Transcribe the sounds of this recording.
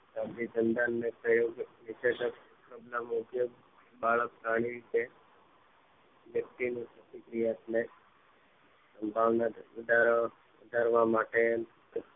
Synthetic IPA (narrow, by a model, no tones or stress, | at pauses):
sabɾid͡ʒənd̪anːepɾəjoɡnɪt͡ʃed̪ək | kɾəblamʊkjoɡ | baɭəkkaɽ̃iɾit̪e | ʋjək̚ʈ̪inĩsət̪ikɾijat̪le | səmbʱaʋnaʋəd̪ʱaɾ | ʋəd̪ʱaɾʋamaʈe